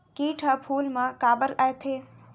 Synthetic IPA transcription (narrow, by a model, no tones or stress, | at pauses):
kiːʈʰəpʰuːlmãkaːbəɾaːet̪ʰeː